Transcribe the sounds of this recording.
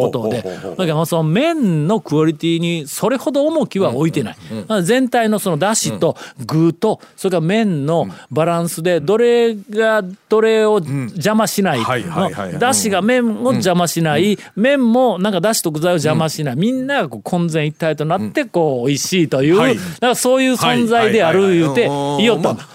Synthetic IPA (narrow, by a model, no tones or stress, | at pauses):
kot̪o̞d̪enokamosonomẽ̞nno̞kɯ̟oɾʲit̪ʲiːɲ̟iso̞ɾe̞ho̞d̪oːmo̞kʲiβao̞it̪e̞na̰iazẽ̞nt̪aino̞so̞no̞d̪aɕit̪o̞ɡɯ̟ːt̪o̞so̞ɾekaamẽ̞nːo̞baɾãɰ̃sɨd̪e̞d̪o̞ɾe̞ɡad̪̥o̞ɾe̞o̞d͡ʑamaɕinaiod̪aɕiɡamẽ̞ɴo̞d͡ʑamaɕinai | mẽ̞mːonãŋkad̪aɕi̥t̪o̞ɡɯ̟zaiod͡ʑamaɕinaimʲĩnːaɡako̞ːkʰõ̞nd͡zẽ̞ɰ̃it̪ːait̪o̞nat̪ːe̞ko̞ːiɕiːt̪o̞jɯːnãŋkaso̞ːjɯ̟ːsõ̞nd͡zaid̪e̞aɾɯ̟jɯːt̪e̞ijo̞t̪ːand̪a